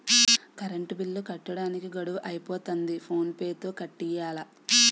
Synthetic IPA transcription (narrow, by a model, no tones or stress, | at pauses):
kɐɾɐɳʈubilːukɐʈːɐɽaːnikiɡɐɽuʔɐjipoːt̪ɐnd̪ipʰo̞ːnpeːt̪oːkɐʈːijaːlɐ